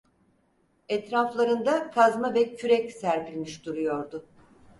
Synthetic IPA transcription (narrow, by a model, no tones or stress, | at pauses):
ɛt̪ɾaflˠaɾɯnd̪akʰazmavɛcʰyɾɛcsæɾpilʲmiʃd̪uɾujo̞ɾd̪ʊ